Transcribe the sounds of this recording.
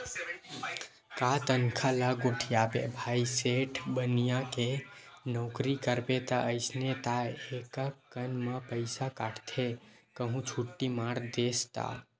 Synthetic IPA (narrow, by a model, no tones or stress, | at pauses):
kat̪ənkʰalaɡoʈʰijabḛbʱajseʈʰbənijãkenɔkɾikəɾbet̪əʔəɪsnet̪aekəkːənməpəɪsakaʈʰt̪ʰekəɦũt͡ʃʰuʈːimaɾd̪est̪a̰